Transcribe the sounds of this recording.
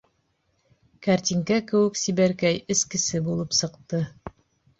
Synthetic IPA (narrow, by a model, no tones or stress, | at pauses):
kaɾt̪ʲiŋkækɘ̆wɘ̆ksibæɾkæjɘ̆skɘ̆sɘbulˠɤpsɤ̆qt̪ɤ